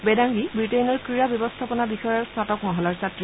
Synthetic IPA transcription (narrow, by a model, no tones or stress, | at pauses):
bɛdaŋɡibɹitejnɔɹkɹiɹabjɔbɔst̪ʰapɔnabixɔjɔɹsatɔkmɔɦɔlaɹsatɹi